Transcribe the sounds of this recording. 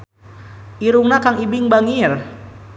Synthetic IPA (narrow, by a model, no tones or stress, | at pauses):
ʔiɾuŋnakaŋibiŋbaŋir